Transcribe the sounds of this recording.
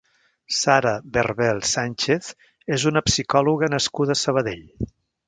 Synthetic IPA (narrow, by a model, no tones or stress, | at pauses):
saɾəβərβɛlˠsanʲt͡ʃeθ | ezunəpsikɔluɣənəskuðəːsəβ̞əðeʎ